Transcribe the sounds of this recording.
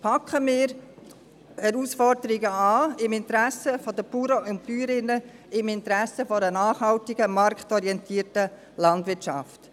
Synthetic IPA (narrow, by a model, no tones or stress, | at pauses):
pʰɑkχəmɪːɾ | hɛɾuːsfɔɾd̪əɾiɡəɑːɪmɪntəɾæsəfɔd̪əb̥uɾoʊntpyːɾɪnːə | ɪmɪntɾæsəfɔɾənaːχhɑltɪɡəmɑɾktɔɾiɛntʰiːəɾtə | lɑndʋɪtʃɑ̰ft